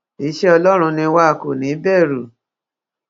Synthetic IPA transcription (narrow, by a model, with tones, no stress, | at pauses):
i˦ʃe˦ɔ˧lɔ˦ɾ̃ũ˧nĩ˧wa˦˨ko˨nĩ˨˦bɛ˦˨ɾu˨